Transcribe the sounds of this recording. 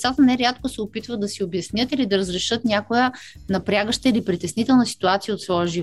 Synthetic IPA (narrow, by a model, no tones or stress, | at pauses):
sat̪ənɛɾʲat̪kosɛopit̪vəd̪ɐsiobjɐsnʲət̪ilid̪ɐɾəzɾɛʃɤt̪nʲakojənɐpɾʲaɡəʃt̪əilipɾit̪ɛsnit̪ɛlˠnəsi̥t̪uat̪sijəot̪svɔəʒiv